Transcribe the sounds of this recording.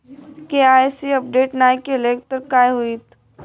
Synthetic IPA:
keaːesiɐp̚ɖeːʈnaːjkelek̚t̪əɾkaːjɦuit̪

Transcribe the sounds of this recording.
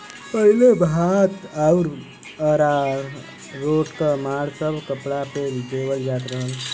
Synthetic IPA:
pəɦilebʱat̪auɾ | əɾa | ɾoʈkəmaɽsəbʱkəpɽapeɾd̪eʋəld͡ʒaːt̪ɾəɦəl

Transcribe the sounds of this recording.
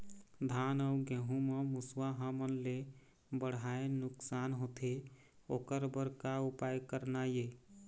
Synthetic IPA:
d̪ʱanəʊɡẽɦũməmuswaɦəmənle | bəɽ̤aenʊksanɦot̪ʰe | okəɾbəɾkaupajkəɾnaje

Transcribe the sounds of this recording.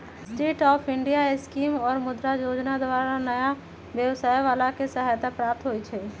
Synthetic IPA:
sʈeːʈɔːpʰɪ̃ɳɖijaeskiːmɔːɾmʊd̪ɾajoːd͡ʒnad̪waːɾanəja | ʋjəwsaːjʋaːlakesəɦaːjt̪apɾaːp̚t̪ʰɦoit͡ʃʰɛː

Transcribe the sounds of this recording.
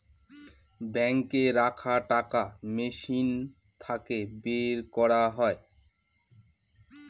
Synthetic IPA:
bɛŋkeɾakʰaʈakameʃin | t̪ʰakebeɾkɔɾaɦɔe

